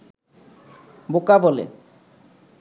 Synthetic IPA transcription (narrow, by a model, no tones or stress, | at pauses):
bokabɔlḛ